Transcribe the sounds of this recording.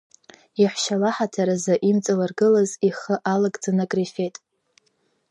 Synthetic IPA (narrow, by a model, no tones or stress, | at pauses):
iħʷʃalaħatʰaɾazaʔimt͡sʼalarɡɨlaziχəʔalaɡʼd͡zanakʼrife̞tʼ